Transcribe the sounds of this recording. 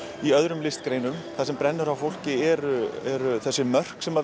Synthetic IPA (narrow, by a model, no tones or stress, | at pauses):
iœðɾʏmlɪst̪kɾeːjnʏmθasɛmpɾɛnːʏɾavfowl̥cɪɛɾʏɛɾʏθɛsːʏmœr̥ksɛma